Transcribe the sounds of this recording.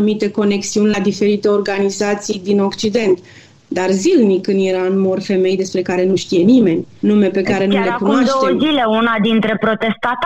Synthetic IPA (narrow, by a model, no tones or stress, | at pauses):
umit̪e̞ko̞ne̞ksiunʲlad̪ife̞ɾit̪e̞o̞rɡanizat̪sijd̪ino̞kt͡ʃid̪e̞nt̪ | d̪arzilnikɨnjeɾaɨnmo̞rfe̞me̞jd̪e̞spɾe̞kaɾe̞nuʃt̪ije̞nime̞nʲnume̞pe̞kaɾe̞nulekunoad̪ʃot̪ezile̞unad̪int̪ɾe̞pɾo̞t̪e̞st̪at̪